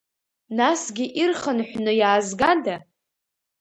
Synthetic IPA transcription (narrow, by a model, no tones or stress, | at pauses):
nasɡʲɪʔirχanħʷᶣnɨjaːzɡada